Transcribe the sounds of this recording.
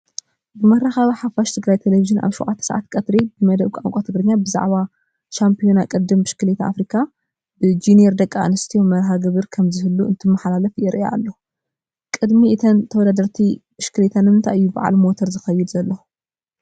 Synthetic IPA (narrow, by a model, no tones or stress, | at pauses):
bɨmɐɾaxaβiħafaʃt̪ʰɨɡɾajt̪ʰeleviʒɨnʔa̰βʃṵʔa̰t̪ʰːɐ̥sɐ̰ʕa̰t̪kʼɐt̪ɾibɨmɐd̪ɐβkʷʼaŋkʷʼot̪ʰɨɡɾɨɲːabɨza̰ʕβa | t͡ʃampʰijonakʼɨd̪ːɨmbɨʃkɨlet̪aa̰fɾikʰa | bɨd͡ʒinijeɾd̪ɐkʼːanɐst̪ʰijomɐɾɦaɡɨβɨɾkʰɐmzɨhɨlːuɨnt̪ʰɨmːɐħlalɐfjɪɾʔa̰lːo | kʼɨd̪miɨt̪ʰɐnt̪ʰɐwɔd̪ad̪ɐɾt̪ʰibɨʃkɨlet̪ʰanmɨnt̪ʰa̰ʔɨjːuba̰ʕa̰lmo̞t̪ʰɐɾzɨxɐjɪd̪zɐlːo